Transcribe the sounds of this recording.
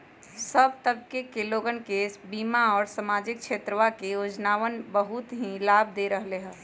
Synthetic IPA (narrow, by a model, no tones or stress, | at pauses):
səbt̪əb̚kekeloɡənkesbimaɔːɾsamad͡ʒik̚t͡ʃʰet̪ɾəʋakejod͡ʒnaʋənbəɦut̪ɦĩlab̚d̪eɾəɦleɦəl